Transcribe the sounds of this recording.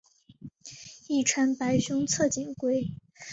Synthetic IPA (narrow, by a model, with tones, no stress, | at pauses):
i˥˩ʈ͡ʂʰwa˧˥npa˧˥ɪɕʊ˥ŋt͡sʰɤ˥˩t͡ɕi˨˩ŋkwe˥ɪ